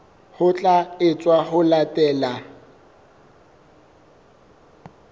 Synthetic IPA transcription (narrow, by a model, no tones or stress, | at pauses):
hʊt͡ɬʼaɪt͡sʼwaɦʊlatʼɛːla